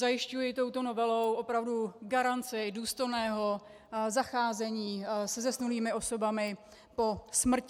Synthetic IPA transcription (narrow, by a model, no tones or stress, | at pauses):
zajɪʃcujɪt̪o̞wt̪o̞no̞vɛlo̞wʔo̞pɾavduɡaɾant͡sɪduːst̪ojnɛːɦo̞ | zaxaːzɛɲiːsɛzɛsnuliːmɪʔo̞so̞bamɪ | po̞smr̩cɪ